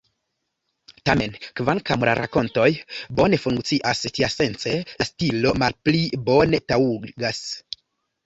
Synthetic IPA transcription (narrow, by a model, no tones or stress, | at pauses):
tame̞nkvaŋkamla̰ɾʔa̰ko̞nto̞jbo̞ne̞fuŋkt͡siʔastiase̞nt͡se̞lastilo̞malplibo̞ne̞tauɡas